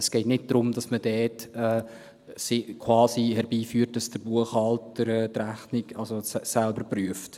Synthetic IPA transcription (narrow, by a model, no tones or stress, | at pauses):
əsɡ̥ɛɪtnɪt̚d̥ɾʊmdɑsməd̥ɛːtɛː | sɪkʰwɑːsihɛɾbiːfyːrt̚d̥ɑsd̥əɾbuəχɑltəɾɛːtɾæχniɡɑlsossælbəɾpryəft